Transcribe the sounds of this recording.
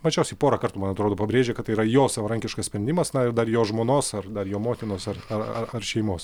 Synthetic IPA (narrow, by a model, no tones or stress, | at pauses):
mɐt͡ʃʲɛʊsʲɛɪpoːɾɐkɐrt̪umɐnɐt̪ɾoːd̪oːpɐbʲɾʲeːʒʲekɐt̪ɐɪiɾɐjoːsɐʋɐɾɐŋʲkʲɪʃkɐsʲpʲɾʲɛnd̪ʲɪmɐsnɐɪrd̪ɐrjoːʒmoːnoːsɐrd̪ɐrjoːmoːt̪ʲɪnoːsɐrɐrɐ̰ɐrʃʲɛɪmoːs